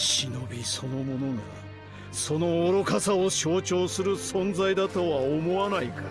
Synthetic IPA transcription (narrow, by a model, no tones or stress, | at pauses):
ɕino̞bʲiso̞no̞mo̞no̞na | so̞no̞ːɾo̞kasaoɕo̞ːt͡ɕo̞ːsɨɾɯ̟sõ̞nd͡zaid̪at̪o̞βaomo̞βanaika